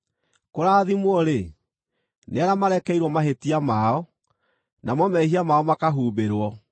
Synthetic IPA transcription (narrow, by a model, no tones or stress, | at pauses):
koɾaːðimwɔɾe | neaɾamaɾɛkɛiɾwɔmaɦetiamaɔ | namɔmɛɦiamaɔmakaɦuːbeɾwɔ